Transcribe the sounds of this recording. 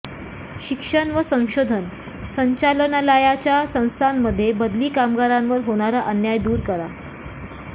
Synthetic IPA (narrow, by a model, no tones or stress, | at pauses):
ɕikʂəɳʋəsə̃w̃ɕod̪ʱən | səɲt͡ɕalənalajat͡ɕjasə̃w̃st̪ʰanːəd̪ʱːjebəd̪liːkamɡaɾãnʋəɾɦoɽ̃aɾaʔanjajd̪uːɾkəɾa